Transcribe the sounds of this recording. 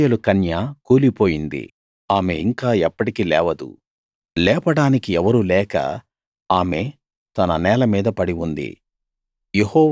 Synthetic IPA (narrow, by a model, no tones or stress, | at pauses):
elukɐnjaːkuːlipo̞ːjind̪ḭ | aːme̞iŋkaːɛpːɐʈikilɛːʋɐd̪ṵ | lɛːpɐɽaːnikiɛʋɐɾulɛːkɐ̰ | aːme̞ | t̪ɐnɐnɛːlɐmiːd̪ɐpɐɽiund̪ḭ | jehɔː